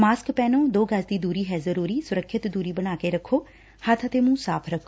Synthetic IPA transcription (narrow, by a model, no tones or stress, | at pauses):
maːskpɛːnoːd̪oːɡəsd̪iːd̪uːɾiːɦɛːzəɾuːɾiːsʊɾəkʰːɪt̪d̪uːɾiːbənaːkeːɾəkʰːoː | hət̪ʰət̪eːmũːsaːpʰɾəkʰo